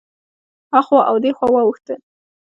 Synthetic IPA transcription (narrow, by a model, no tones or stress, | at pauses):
hɑxɑʔawd̪exwɑwɑwuxt̪əl